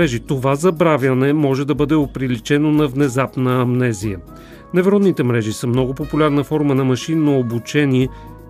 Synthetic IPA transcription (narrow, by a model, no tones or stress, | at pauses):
ɛʒit̪ovazɐbɾavʲjənɛmɔʒɛd̪ɐbɤd̪ɛopɾilit͡ʃɛnonɐvnɛzapnəɐmnɛzijə | nɛvɛɾɔd̪nit̪ɛmɾɛʒisəmnɔɡopopulʲaɾnɐfɔɾmənɐmɐʃinːoobut͡ʃɛniɛ